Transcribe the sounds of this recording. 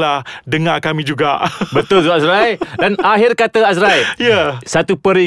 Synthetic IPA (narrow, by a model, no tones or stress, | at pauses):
lahdəŋakamĩd͡ʒuɡaʔbət̪ʊlsuasɾajdanaɦɪrkat̪aas̬ɾajjasat̪upəɾi